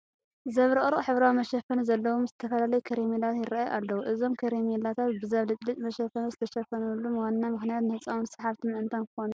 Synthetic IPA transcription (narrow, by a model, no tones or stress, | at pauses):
zɐβɾɨχʼɾɨχʼħɨβɾawimɐʃɐfɐnuzɐlːɐwomzɨt̪ʰɐfɐlalɐjukʰɐɾemelat̪jɪɾaajuʔalːɐwuʔɨzo̞mkʰɐɾemelat̪ʰat̪bɨzɐβlɨt͡ʃʼlit͡ʃʼmɐʃɐfɐnuzɨt̪ʰɐʃɐfɐnulːumwanːamɨxnijat̪nɨhɨt͡sʼawnsɨ̥ħaβt̪ʰɨmɨʔɨnt̪ʰankʰɨxonu